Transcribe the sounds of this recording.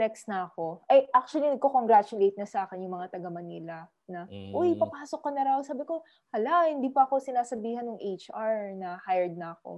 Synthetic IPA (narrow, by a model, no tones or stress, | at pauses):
ɛksnɐɐko̞ʔɐjʔak̚t͡ʃʊwɐlinɐɡ̚kokoŋɡɾaːt͡ʃʊlejt̪̚nɐsɐaːkɪnjʊŋmɐŋat̪ɐɡɐmɐniːlɐ | nɐʔojpɐpaːso̞kːɐnɐɾawsaːbɪko̞ | hɐlahɪnd̪iːpɐɐko̞sɪnaːsɐbiːhɐnjʊŋʔejt͡ʃʔaɹnɐhajɛɹd̪̚nɐɐko̰